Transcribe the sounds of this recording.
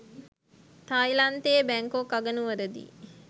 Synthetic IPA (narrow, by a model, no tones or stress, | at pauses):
t̪ajlant̪ejːbæŋkokːaɡənuʋəɾəd̪ḭ